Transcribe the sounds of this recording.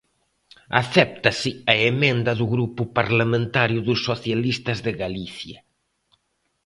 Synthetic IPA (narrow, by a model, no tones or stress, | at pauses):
a̰θɛp̚t̪ɐsɪaemẽnd̪ɐðuɣɾupʊpaɾlamẽnt̪aɾjʊðusːoθjalist̪ɐzðɪɣaliθjɐ